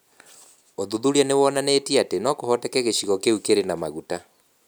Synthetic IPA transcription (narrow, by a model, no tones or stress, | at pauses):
oðuðuɾianewɔnanetiatenɔkohɔtɛkɛɣeɕiɣɔkeukeɾenamaɣuta